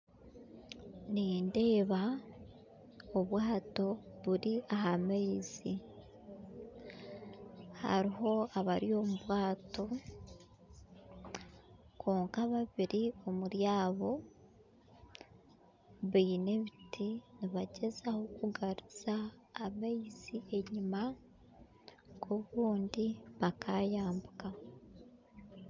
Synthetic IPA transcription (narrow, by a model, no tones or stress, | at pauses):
niːnde̞ːβa | oβwaːto̞βuɾiaɦameizi | ha̰ɾiɦo̞aβaɾio̞muβwaːto̞ | kʰoːŋkaβaβiɾio̞muɾjaːβo̞ | βiːne̞βitʰiniβaɟe̞zaho̞kuɡaɾiz̥aːmeizie̞ɲima | ɡoβuːndiβakʰajaːmbuka